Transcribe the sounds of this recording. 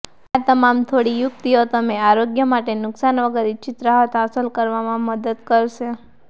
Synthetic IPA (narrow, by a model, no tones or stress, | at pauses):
at̪əmamt̪ʰoɽijʊk̚t̪iot̪əmeaɾoɡjəmaʈenʊksanʋəɡəɾit͡ʃɪt̪ɾəɦət̪əsəlkəɾʋamãməd̪əd̪kəɾʃe